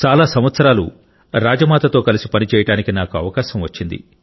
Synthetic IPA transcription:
t͡ʃaːlaːsɐm̃ʋɐt̪sɐɾaːlṵ | ɾaːd͡ʒɐmaːt̪ɐt̪o̞ːkɐlisipɐnit͡ʃɛːjɐʈaːnikinaːkuɐʋɐkaːʃɐmʋɐt͡ʃːind̪ḭ

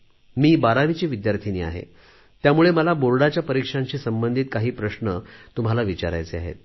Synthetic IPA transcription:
miːbaɾaʋit͡ɕiːʋid̪jaɾt̪ʰiniːa̰ɦḛ | t̪jamuɭeməlaboɾɽat͡ɕjapəɾikʂaɲt͡ɕiːsəmbənd̪ʱiːt̪̚kaɦiːpɾəɕnət̪um̤alaʋit͡ɕaɾa̰jt͡sea̰ɦḛt̪̚

